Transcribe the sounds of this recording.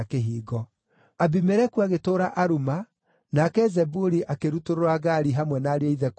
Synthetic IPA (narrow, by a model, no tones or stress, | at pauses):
keɦiːɣɔ | abimɛɾɛkuaɣetoːɾaʔaɾuma | nakɛzɛbuɾiʔakeɾutoɾoɾaɣaɾiɦamwɛnaːɾeaiðɛk